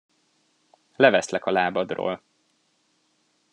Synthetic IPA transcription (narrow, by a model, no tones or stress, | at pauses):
lɛvɛslɛkɒlaːbɒd̪ro̰ːl